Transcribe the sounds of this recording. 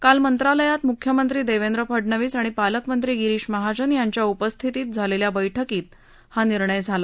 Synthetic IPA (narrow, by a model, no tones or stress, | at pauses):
kalmənt̪ɾaləjat̪mukʰjəmənt̪ɾiːd̪eʋend̪ɾəpʰəɖɳəʋiːsaɽ̃ipaləkmənt̪ɾiːɡiɾiːɕməɦad͡ʑənjaɲt͡ɕjaupəst̪ʰit̪iːt̪̚d͡zʱaleljabəjʈʰəkiːt̪ | haniɾɳəjd͡zʱala